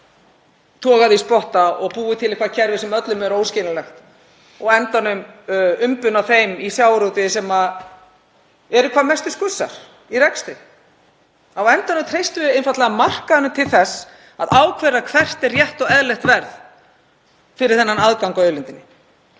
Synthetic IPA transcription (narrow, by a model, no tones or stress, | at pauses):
t̪ʰɔːɣaðɪispɔht̪aɔɣpuːɪt̪ʰɪlehkvaðcʰɛɾvɪsɛmœt̪lʏmɛɾoːwscɪːnalɛxt̪ | ɔɣɛnt̪anʏmʏmpʏnaθejmisjaːwɾowt̪ɪsɛma | ɛɾʏkʰvaːðmɛst̪ʏskʏsːa̰ɾ̥ | irɛkst̪ɾɪ | awɛnt̪anʏmt̪ʰɾejst̪ʏvɪejnfat̪lɛɣamar̥kaðnʏmt̪ʰɪlθɛs | aðaːwkʰvɛɾakʰvɛr̥t̪ɛrrjɛht̪ɔɣɛðlɛxt̪vɛɾð | fɪɾɪɾ̥θɛnːanaðkaŋkaœːlɪnt̪ɪnːɪ